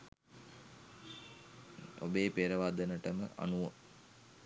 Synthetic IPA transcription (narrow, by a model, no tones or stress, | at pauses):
o̰beːpeːɾəʋaːd̪ənəʈəmə̰ʔa̰nuʋo